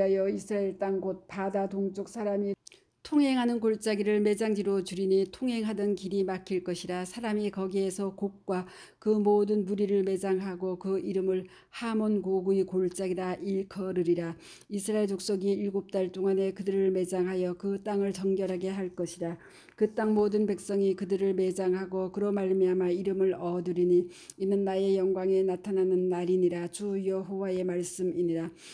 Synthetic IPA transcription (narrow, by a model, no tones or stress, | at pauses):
ajʌisʰɾaeɭt͈aŋɡot̚padadoŋt͡ɕ͈ok̚sʰaɾami | tʰoŋɦe̞ŋɦanɯnkoɭt͡ɕ͈aɡiɾɯɭme̞d͡ʑaŋd͡ʑiɾot͡ɕuɾinitʰoŋɦe̞ŋɦadʌnkiɾimakʰiɭk͈ʌɕʰiɾasʰaɾamikʌɡie̞sʰʌkok̚k͈wa | kɯmodɯnmuɾiɾɯɭme̞d͡ʑaŋɦaɡokɯiɾɯmɯɭ | hamonkoɡuikoɭt͡ɕ͈aɡidaʔiɭkʰʌɾɯɾiɾa | isʰɯɾaeɭt͡ɕok̚s͈oɡiiɭɡop̚t͈aɭt͈oŋane̞kɯdɯɾɯɭme̞d͡ʑaŋɦajʌkɯt͈aŋɯɭt͡ɕʌŋɡjʌɾɦaɡe̞ɦaɭk͈ʌɕʰiɾa | kɯt͈aŋmodɯnpe̞k̚s͈ʌŋikɯdɯɾɯɭme̞d͡ʑaŋɦaɡokɯɾʌmaɭmiamaiɾɯmɯɭʌdɯɾiɲi | inɯnːaje̞jʌŋɡwaŋe̞natʰananɯnːaɾiɲiɾat͡ɕujʌɦowae̞maɭs͈ɯmiɲiɾa